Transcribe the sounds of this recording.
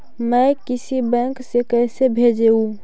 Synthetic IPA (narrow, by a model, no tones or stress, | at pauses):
məkɪsibɛ̃ŋksekɛsebʱed͡ʒeũ